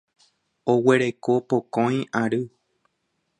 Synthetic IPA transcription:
owe̞ɾe̞kopokõj̃aɾɨ

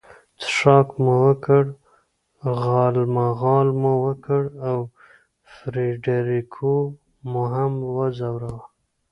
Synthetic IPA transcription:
t̪ʂɑkmuwəkəɽ | ɣɑlmaɣɑlmuwəkəɽaw | fɾiɖeɾikʰo | muɦamwəzawɾawa

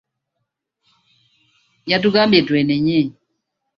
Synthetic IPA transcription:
jatukambedwɛnɛɲɛ

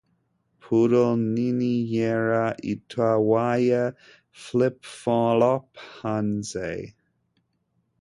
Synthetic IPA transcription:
pʰuɾoninijɛɹaʔḭtʰwawajə | flɪpfɔlɔphanzeɪ

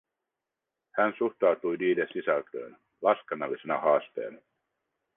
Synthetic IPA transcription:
hænsuht̪ɑwt̪ujdiːdesisælt̪ø̰ːn | lɑskenːɑlːise̞nɑ̰hɑːst̪e̞̰ːnɑ

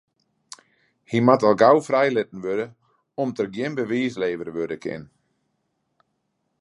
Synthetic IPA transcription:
himatɔlˠɡawfrɛjlɪtn̩ʋødə | ɔmtərɡjɪnbəʋiːsleːvərʋødəkʰɪ̰n

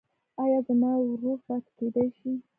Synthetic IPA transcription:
ɑjɑzəmɑwɾufat̪ked̪ajʃi

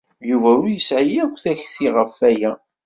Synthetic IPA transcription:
juvæʊɾjəsʕjiækʷːθæçθiʁəfːæjæ

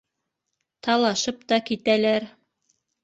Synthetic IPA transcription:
t̪ɑlˠɑʃɤp̚t̪ɑkit̪ælæɾ

